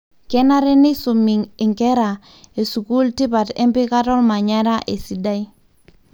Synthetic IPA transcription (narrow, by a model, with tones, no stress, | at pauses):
ke˦na˦ɾe˦ni˦su˨mi˨ŋɪ˨ŋke˦ɾa˨ | e˨su˨ku˦lti˦pa˨tḛ˦mpi˦ka˦tɔ˦lma˨ɲa˦ɾa˦ʔe˨si˨da˦j